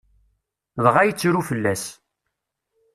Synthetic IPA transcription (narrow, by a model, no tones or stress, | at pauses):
ðʁajət͡sːɾufəlːæs